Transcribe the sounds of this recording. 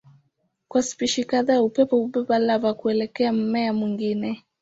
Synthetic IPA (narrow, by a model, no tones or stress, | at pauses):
kwasi̥piʃikaðaːupɛpɔuɓɛpalavakuɛlɛkɛam̩mɛamwiŋɡinɛ